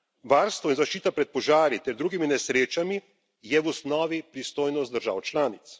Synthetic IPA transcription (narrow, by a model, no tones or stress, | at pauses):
ʋaːɾst̪ʋɔinzaʃt͡ʃiːt̪apɾɛt̪̚pɔʒaːɾit̪ɛɾd̪ɾuːɡiminɛsɾeːt͡ʃami | jɛwusnɔːʋipɾist̪oːjnɔst̪̚d̪əɾʒa̰ːwt͡ʃlaːnit̪s